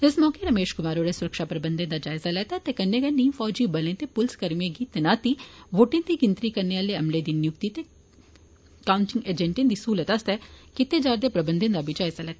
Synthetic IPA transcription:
ɪsmɔːkeːɾəmeːʃkʊmaːɾoːɾɛːsʊɾəkʃaːpɾəbə̃nd̪ẽːnd̪aːd͡ʒaːɪzaːlɛːt̪aːt̪eːkənːeːɡənːiːfɔːd͡ʒiːbəlẽːt̪eːpʊlskəɾmijẽːɡiːt̪enaːt̪iːʋoːʈɪ̃ːd̪iːɡɪnt̪ɾiːkəɾneːaːleːəmleːd̪iːnjʊkt̪iːt̪eː | kaːʊɳʈɪŋɡeːd͡ʒɛ̃ɳʈẽːnd̪iːsuːlət̪ast̪ɛːkɪt̪eːd͡ʒaːɾd̪eːpɾəbənd̪ẽnd̪aːbʱiːd͡ʒaːɪzaːlɛːt̪a

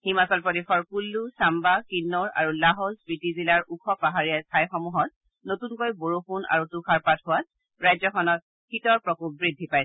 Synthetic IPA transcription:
himasɔlpɔdexʰɔɹkulːusambakinːɔɹa̰ɹulaɦɔzbɹitizilaɹukʰɔpaɦaɹijasajxɔmuɦɔt̚ | notunkojboɹopuna̰ɹutukʰaɹpatɦʊwat̚ | ɹajzɔxʰɔnɔt̚ | xitɔɹpɹɔkuk̚bɹidʱːipajsɛ

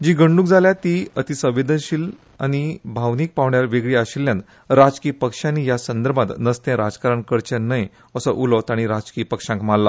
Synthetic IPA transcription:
d͡ʑiːɡəɳɖũk̚d͡zʱaljat̪iət̪isə̃ʋed̪ənɕiːl | a̰ñibʱaʋniːk̚paʋɳjaɾʋeɡɭiaɕilːjãnt̪ | ɾad͡zkiːpəkʂjãnijasənd̪əɾbat̪nəst̪ɛ̃ɾad͡zkaɾaɳkəɽt͡ɕẽnəj | əsəʔulɔt̪aɽ̃iɾad͡zkiːpəkʂãŋkmalːa

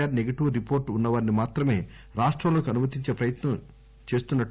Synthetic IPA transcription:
aːɾneɡɐʈiʋɾipoːɾʈunːɐʋaːɾinimaːt̪ɾɐme̞ː | ɾaːʂʈɾɐmlo̞ːkiɐnumɐt̪̬iɲt͡ʃe̞ːpɾɐjɐt̪nɐm | t͡ʃe̞ːst̪unːɐ

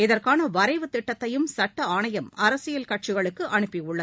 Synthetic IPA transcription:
ɪðɐrkaːnɐʋɐɾɐɪʋɯt̪ːɪʈːɐt̪ːɐjɯmsɐʈːɐaːɳɐjɐmɐɾɐsɪjɐlkɐʈ̚t͡ʃɪɣɐɭɯkːɯʔɐɳɯpːiʊɭːɐ

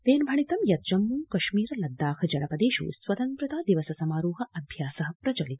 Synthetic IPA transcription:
t̪eːnbʱɐɳit̪ɐmjɐt̪̚d͡ʒɐmːuːkɐʃmiːɾɐlɐd̪ːaːkʰɐd͡ʒɐnɐpɐd̪eːʃṵːsʋɐt̪ɐnt̪ɾɐt̪aːd̪iʋɐsɐsɐmaːɾuːɦɐɐbʱjaːsɐɦɐpɾɐt͡ʃɐlit̪̚

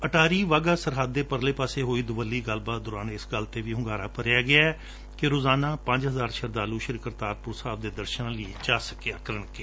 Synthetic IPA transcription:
əʈaːɾiːʋaːɡaːsəɾɦəd̪ːeːpəɾleːpaːseːɦoːiːd̪ʊʋəlːiːɡəlbaːt̪̚d̪ʊɾaːnɪsɡəlt̪eːʋiːɦʊŋɡaːɾaːpəɾjaːɡɪaːɛː | kɪɾoːzaːnãːpə̃ɲd͡ʒɦəzaːɾʃəɾd̪aːluːʃɪɾɪkəɾt̪aːɾpʊɾsaːbd̪eːd̪əɾʃənãːləiːt͡ʃaːsəkeəkəɾəɳəke

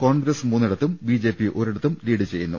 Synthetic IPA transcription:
koːɳɡɾɐsmuːnːiɽɐt̪ːumbiːd͡ʑe̞ːpːiʔo̞ːɾiɽɐt̪ːumliːɽɨt͡ɕe̞jːunːṵ

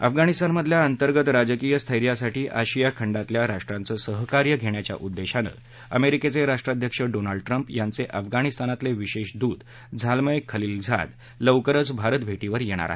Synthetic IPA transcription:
ə̰fɡaɽ̃ist̪anməd̪ʱljaənt̪əɾɡət̪ɾad͡ʑkijəst̪ʰəjɾjasaʈiːʔaɕijakʰəɳɖat̪ljaɾaʂʈɾãnt͡səːsəɦkaɾjəɡʱeɳjat͡ɕja̰ʔud̪ːeɕanə̰ | ə̰meɾiket͡seɾaʂʈɾad̪ʱjəkʂəɖonaɭɖʈɾəmpjant͡seʔəfɡaɽ̃ist̪anat̪leʋiɕeɕd̪uːd̪ | d͡zʱalməjkʰːəliːld͡zʱa̰d̪ | ləʋkəɾət͡sbʱaɾət̪bʱeʈiʋəɾjeɽ̃a̰ɾa̰ɦe

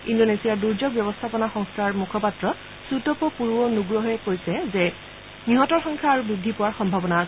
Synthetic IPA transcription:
indonesijaɹduɹzɔɡbjɔbɔst̪ʰapɔnaxɔŋstʰaɹmukʰɔpatɹɔ | sutɔpɔpuɹuwɔnuɡɹɔɦɛkoɹisɛzɛ | niɦɔtɔɹxɔŋkʰaːɹubɹidʱːipʊwaɹxɔmbʱabɔna

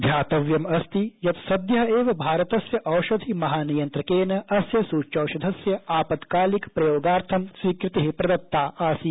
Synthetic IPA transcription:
d̪ʱjaːt̪ɐʋjɐmɐst̪ijɐt̪sɐd̪jɐɦɐeːʋɐbʱaːɾɐt̪ɐsjɐʔɐwʃɐd̪ʱimɐɦaːnijɐnt̪ɾɐkeːnɐɐsjɐsuːt͡ʃɐwʃɐd̪ʱɐsjɐaːpɐtd̪kaːlikpɾɐjoːɡaːɾt̪ʰɐmsʋiːkɾɪt̪iɦipɾɐd̪ɐt̪ːaːʔaːsi

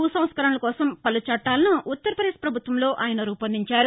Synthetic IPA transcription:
uːsɐm̃t̪skɐɾɐɳɐlɐkɔːsɐmpɐlut͡ʃɐʈːaːlɐnuʔut̪ːɐɾɐpɐd̪eːʂpɾɐbʱut̪ʋɐmlo̞ːʔaːjɐnɐɾuːpɐnd̪iɲt͡ʃaːɾu

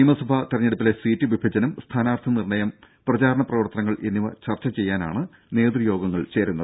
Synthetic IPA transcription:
ijmɐsɐbʱɐt̪irɐɲːe̞ɽupːilesiːtːɨʋibʱɐd͡ʑɐnɐmst̪ʰaːnaːrt̪ʰɐnirɳɐjɐm | prɐt͡ɕaːɾɐɳɐprɐʋɐrt̪ːɐnɐŋːɐɭʔenːiʋɐt͡ɕɐrt͡ɕɐt͡ɕejːaːna̰ːɳɨ | ne̞ːd̪rijo̞ːɡɐŋːɐɭt͡ɕe̞ːɾunːɐðɨ

